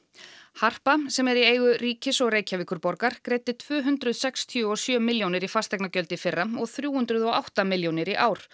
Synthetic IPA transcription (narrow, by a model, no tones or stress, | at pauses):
har̥pasɛmɛɾieːjɣʏriːcɪsɔɣreːjcavɪːkʏɾpɔɾkaɾ̥kɾeːjt̪ɪt̪ʰvʏːɦʏnt̪ɾʏðsɛkst̪ʰiʏɔsjœːmɪljownɪɾifast̪ɛknacœlt̪ɪfɪrːamɔɣθɾjuːhʏnt̪ɾʏðɔɣawht̪amɪljownɪɾiʔaːwɾ̥